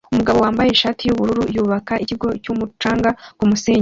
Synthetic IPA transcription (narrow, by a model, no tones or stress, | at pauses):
umuɡaβo̞waːmbaje̞iʃaːtʰijuβuɾuɾujuːβakaʔiciɡo̞cumut͡ʃaːŋɡakumuseːɲe